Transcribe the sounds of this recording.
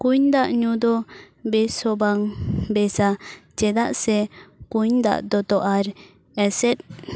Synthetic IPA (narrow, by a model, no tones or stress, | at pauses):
kuɲd̪aʔɲud̪ɔ | bɛsɔbaŋbɛsat͡ʃɛd̪aʔsɛkuɲd̪a̰ʔd̪ɔt̪ɔʔaɾ | ɛsɛt̪̚ˀ